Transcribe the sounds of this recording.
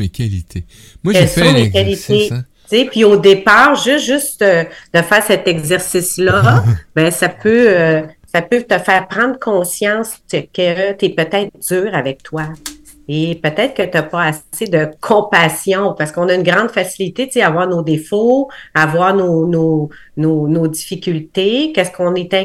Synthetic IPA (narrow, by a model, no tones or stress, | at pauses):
mekʲalit̪ʰe | mwɛlsɔ̃mekʲalit̪e | t͡sepɥiod̪epaːʁʒʏsʒʏst̪ød̪̥əfɛːʁsɛt̪ɛɡzɛʁsislʌbɛ̃sapøøsapøt̪əfɛːʁpʁɑ̃d̪ʁkʰɔ̃sjɑ̃skət̪yɛpət̪ɛːt̪χd͡zzyːʁavɛk̚t̪wa | epøt̪ɛːt̪ʁkət̪yapɔassed̪əkʰɔ̃pasjɔ̃paʁsə̥kɔ̃naynɡʁɑ̃d̪fasilit̪et͡sseavwaːʁnod̪efoavwaːʁnono | nonod̪d͡zifikʲylt̪ekʲɛskɔ̃net̪ɛ̃